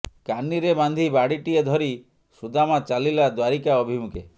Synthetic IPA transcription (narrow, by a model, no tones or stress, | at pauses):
kanːiɾeband̪ʱibaɽiʈied̪ʱɔɾi | sud̪amat͡ʃalilad̪waɾikaɔbʱimukʰe